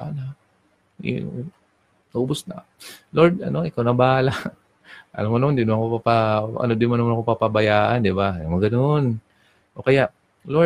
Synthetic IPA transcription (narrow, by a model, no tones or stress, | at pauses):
ana | ḭ | uːbʊsna̰ | loɹd̪ɐno̞ʔɪkawnɐbaːla | ʔɐ̰lamonɐmand̪ɪd̪mnkopapaʔɐ̰nod̪ɪmʊnɐmanɐkopapabajaːʔand̪ɪbajamoɡɐnon | ʔokɐjaʔ | lo